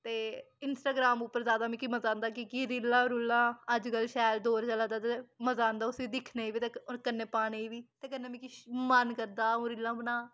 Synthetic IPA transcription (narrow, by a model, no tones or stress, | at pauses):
t̪eː | ɪnsʈaːɡɾaːmuːpːəɾzaːd̪aːmɛ̃kiməzãːnd̪aːkikiɾɪlãːɾulːãːəd͡ʒkəlʃɛːld̪oːɾt͡ʃəlaːd̪aːt̪eməzaːnd̪aːʊsiːd̪ɪkʰneiːʋiːt̪eːoɾkənːẽːpaːɽeiːʋiːt̪eːkənːẽːmɛ̃ːkimənkəɾd̪aːõːɾɪlːãːbənãː